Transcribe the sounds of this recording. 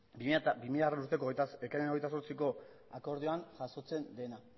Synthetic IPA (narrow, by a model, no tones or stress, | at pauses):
bibimiʎaɣarenuɾt̪e̞koekajenoɣjt̪as̬o̞ɾt͡siko̞ | ako̞ɾð̞ioaŋʝaso̞t͡se̞nd̪e̞na